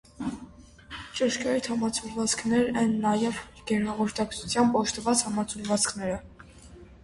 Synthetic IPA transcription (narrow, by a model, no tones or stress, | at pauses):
t͡ʃəʃkɑjit̪ʰhɑmɑt͡sʰulvɑt͡skʰnɛɾɛnːɑjɛv | ɡ̥ɛɾnɑvɔɾt̪ɑkt͡sʰut͡sʰjɑmbɔʃt̪əvɑt͡shɑmɑt͡sʰulvɑt͡skʰnɛɾə